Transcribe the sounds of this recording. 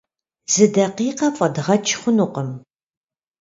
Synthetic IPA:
z̥ɨdɐqiːqɐfʼɐdʁɐt͡ʃʰχʷʊnuqəm

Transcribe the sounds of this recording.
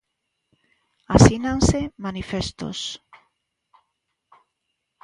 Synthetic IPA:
asinansemanifest̪o̰s

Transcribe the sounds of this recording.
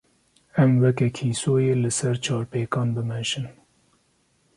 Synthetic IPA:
ɛmwɛkɛkʰiːsoːjeːlɨsɛɾt͡ʃʰɑːɾpeːkɑːnbɨmɛʒɨn

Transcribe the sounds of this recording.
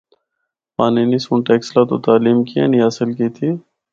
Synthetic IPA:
paːninisuɳʈeːkslat̪ot̪aːliːmkiḛnĩɦaːsɪlkiːt̪ʰiː

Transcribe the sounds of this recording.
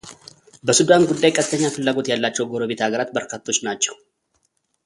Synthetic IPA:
bəsud̪anɡʊd̪ːajkʼɐt̪ːəɲːafɨlːaːɡo̞t̪jalːat͡ʃːɛwɡoɾobet̪ʰhaɡəɾat̪̚bəɾkat̪ʰːo̞t͡ʃːnat͡ʃːɛw

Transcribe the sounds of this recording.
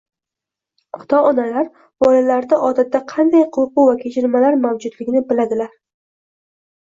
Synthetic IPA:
χʊ̥d̪̥ɒɒnalaɾ | bɒlalaɾd̪aʔɒt̪ʰat̪ːaqʰɑnd̪ajqʰoqʊvakʲʰet͡ʃʰɪɾmalaɾmawd͡ʒʊd̪lɪɡʲnɪbɪlad̪ɪlaɾ

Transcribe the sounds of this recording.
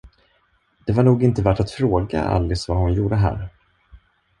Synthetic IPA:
d̪̥ɛvaɳuːɡɪnt̪əvæːʈat̪fɾoːɡa̰a̰lːɪsvahʊnjuːɖəɦæ̰ːɾ

